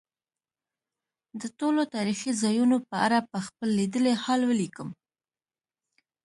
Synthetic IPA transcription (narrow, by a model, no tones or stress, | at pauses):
d̪ətolot̪ɑɾixizɑjunopəaɾapəxpəlːid̪əlehɑlwəlikəm